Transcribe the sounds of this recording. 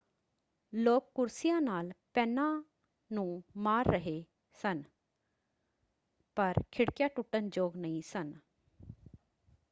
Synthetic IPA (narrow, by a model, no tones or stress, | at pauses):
loːk̚kʊɾsijãːnaːlpɛːnãː | nũːmaːɾːəɦe | sən | pəɾkʰɪɽkjaːʈʊʈənd͡ʒoːɡnəĩsən